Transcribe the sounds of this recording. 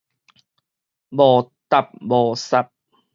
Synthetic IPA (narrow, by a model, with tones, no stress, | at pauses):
bɔː˨˩t̪a˨˩p̚bɔː˨˩sa˧˦p̚